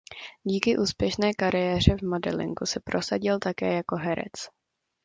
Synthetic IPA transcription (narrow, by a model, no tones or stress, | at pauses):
ɟiːkɪʔuːspjɛʃnɛːkaɾɪjɛːr̝ɛvmodɛ̰lɪ̰ŋkusɛpɾʔo̞saɟɪlt̪akɛ̰ːjako̞ɦɛɾɛ̰t͡s